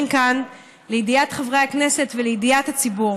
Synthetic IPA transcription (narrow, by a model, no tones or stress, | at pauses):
mkan | lejidiatχavʁeakne̞se̞tvelejidijathat͡sibu